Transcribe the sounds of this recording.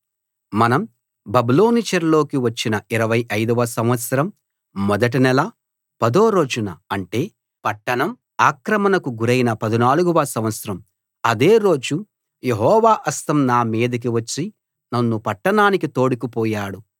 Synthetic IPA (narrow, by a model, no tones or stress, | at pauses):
mɐnɐm | bɐbilo̞ːnit͡ʃɐɾlo̞ːkiʋɐt͡ʃːinɐiɾɐʋɐjʔɐjd̪uʋɐsɐmʋɐt̪sɐɾɐmː | ɔd̪ɐʈ̬inɛlɐ | pɐd̪o̞ːɾo̞ːd͡ʒunɐɐɳʈe̞ː | pɐʈːɐɳɐm | aːkɾɐmɐnɐkuɡuɾɐjinɐpɐd̪inaːluɡuʋɐsɐmʋɐt̪sɐɾɐm | ɐd̪e̞ːɾo̞ːd͡ʒu | je̞ɦɔːʋaːʔɐst̪ɐmnaːmiːd̪ɐk̬iʋɐt͡ʃːi | nɐnːupɐʈːɐɳaːnikit̪o̞ːɽikipɔːjaːɽu